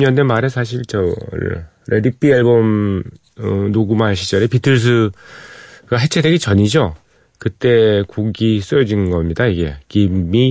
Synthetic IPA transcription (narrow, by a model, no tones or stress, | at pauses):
ɲʌndemaɾesʰaɕ̬ʰiɭt͡ɕʌ̰ | ɾedip͈iaɭbom | ʌnoɡumaɕʰi̥t͡ɕ͈ʌɾepitʰɯɭs̬ʰɯ | ɡaɦe̞t͡ɕʰede̞ɡit͡ɕʌɲid͡ʑo | kɯt͈e̞koɡis͈ɯjʌd͡ʑinɡʌmɲidaiɡe̞̰kimi